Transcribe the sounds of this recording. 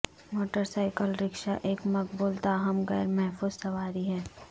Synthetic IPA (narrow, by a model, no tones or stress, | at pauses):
moːʈəɾsaːɪkəlɾɪkʃaʔeːkmɐk̚buːlt̪aːɦɐmɣɛ̰ːɾmɛɦfuːzsɐʋaːɾiɦɛː